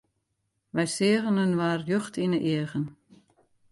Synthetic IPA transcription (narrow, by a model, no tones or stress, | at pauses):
ʋɛjsɪəɣənənʋaːrjøxtʰinəʔiəɣən